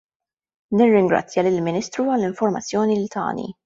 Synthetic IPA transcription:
nɪrːɪŋɡɾɐ̰t͡sːjɐlɪlmɪniːst̪ɾuɐlːɪɱfɔɾmɐt͡sːjɔːnilt̪ɐ̰ːnḭ

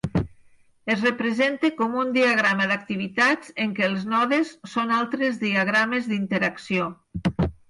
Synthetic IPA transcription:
ezrəpɾezent̪ekɔmund̪iaɣɾaməðak̚t̪iβit̪ad͡zeŋkelˠznɔðesːonalˠt̪ɾezðiaɣ̞ɾamezðint̪eɾaksio

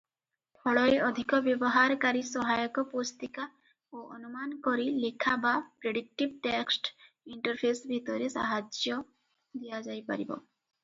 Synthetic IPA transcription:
pʰɔɭɔeɔd̪ʱikɔbjɔbɔɦaɾkaɾisɔɦajɔkɔpost̪ika | oʔɔnumankɔɾilekʰabapɾeɖik̚ʈibʈeksʈ | iɳʈɔɾpʰesbʱit̪ɔɾesa̰ɦad͡ʒjɔ | d̪ijad͡ʒajpa̰ɾibɔ̰

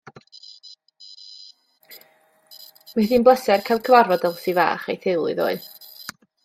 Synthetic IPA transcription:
maθiːnblˠəsɛrkʰajlˠkʰəvarvɔdɛlˠsiva̰ːχejθɪlˠɨ̰ðo̰ːɨð

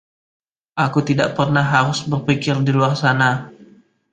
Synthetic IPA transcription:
ʔakut̪idaʔpərnahːaɾʊsbərpikɪrdiluarsana

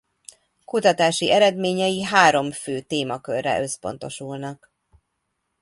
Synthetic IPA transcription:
kut̪ɒt̪aːʃiʔɛɾɛd̪meːɲɛjiɦaːɾo̞mføːt̪eːmɒkørːɛ̰ʔø̞spo̞̰n̪t̪o̞ʃulnɒk

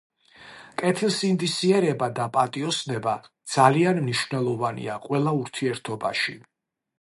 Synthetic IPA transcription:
kʼɛt̪ʰilˠsind̪isiɛɾɛbad̪apʼat̪ʼiɔsnɛbad̪z̥alianmniʃvnɛlˠɔvanḭaqʼwɛlˠauɾt̪ʰiɛɾt̪ʰɔba̰ʃi

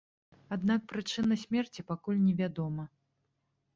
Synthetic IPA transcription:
ad̪nak̚pɾɨt͡ʂɨnɐsʲmʲɛrt͡sʲipakulʲnʲɛvʲad̪ɔmɐ

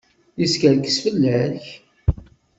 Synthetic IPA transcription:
jəskəɾkə̥sfəlːəɾç

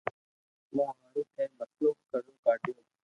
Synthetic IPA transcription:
mãːɦaːɽũːkʰẽːməsluːkəɾũːkaːʈɪjõː

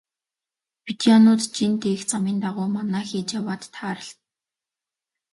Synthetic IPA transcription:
pit̪ianʊːt̪t͡ɕint̪eːxt͡samiːnt̪aʁʊːmanæːxiːt͡ɕjawaːt̪ːʰaːɾə̆ɬt̪

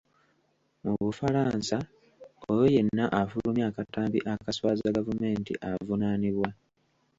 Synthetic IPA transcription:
muβufaɾaːnsa | ojo̞je̞nːaʔafulumjaːkataːmbiʔakaswaːzaɡavume̞ːntḭʔavunaniβwa

